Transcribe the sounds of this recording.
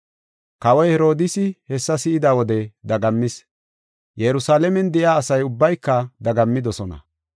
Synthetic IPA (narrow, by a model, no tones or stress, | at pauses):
kɐwɔjhɛɾo̞ːd̪ɪsɪhɛsːɐsɪɪd̪aːwɔd̪ɛd̪ɐɡɐmːɪs | jɛɾʊsaːlɛmɛnd̪ɛʔjaːsɐjʊbːɐjkːɐd̪ɐɡɐmːɪd̪ɔsɔnɐ̰